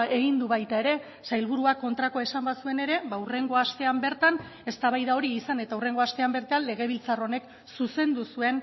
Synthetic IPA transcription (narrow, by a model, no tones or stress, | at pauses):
e̞ɣind̪uβajt̪ae̞ɾe̞ | sajlβuɾuako̞nt̪ɾako̞e̞sambasue̞ne̞ɾe̞βaure̞ŋɡo̞ast̪e̞ambe̞ɾt̪an | e̞st̪aβajðao̞ɾiːsane̞t̪aure̞ŋɡo̞ast̪e̞ambe̞ɾt̪eanle̞ɣ̞e̞β̞ilt͡saro̞ne̞k | suse̞nd̪usue̞n